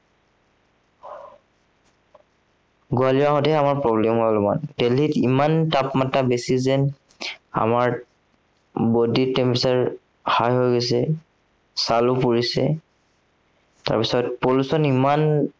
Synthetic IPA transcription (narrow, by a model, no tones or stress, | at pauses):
ɡualiaɦɔtɛɛamaɹpɹɔblɛmɦɔalʊma̰ntɛlitimantapmatabesizɛn | a̰maɹ | boditɛmpisaɹ | hajɦojɡɔs̬ɛ | salʊpuɹisɛ̰ | ta̰ɹpisɔtpolusɔniman